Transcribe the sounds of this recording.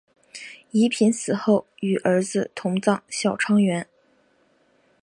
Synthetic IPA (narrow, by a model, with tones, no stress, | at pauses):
i˧˥pʰi˧˥nsɹ̩˨˩xo˥˩ʊy˨˩ʔə˞˧˥d͡zɹ̩˧t̪ʰʊ˧˥ŋt͡sɑ˥˩ŋɕjɑ˨˩ʊʈ͡ʂʰɑ˥ŋɥɛ˧˥n